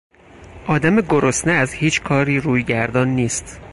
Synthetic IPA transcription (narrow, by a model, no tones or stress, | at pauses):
ʔɒːd̪æme̞ɡoɾosneæzhiːt͡ʃʰkʰɒːɾiːɾuːjɟæɾd̪ɒːnːiːst̪